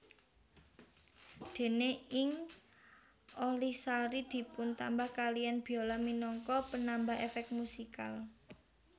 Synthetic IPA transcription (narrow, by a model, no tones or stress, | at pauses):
d̪̥e̤neɪŋ | ʔolihsaɾid̪̥i̤pʊnt̪ambahkalijanb̥i̤olaminɔŋkɔpənambaɦefɛk̚musikal